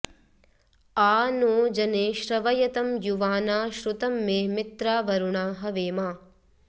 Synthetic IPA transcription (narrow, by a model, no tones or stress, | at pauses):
aːnoːd͡ʒɐneːʃɾɐʋɐjɐt̪ɐmjuʋaːnaːʃɾut̪ɐmːeːmit̪ɾaːʋɐɾuɳaːɦɐʋeːmaː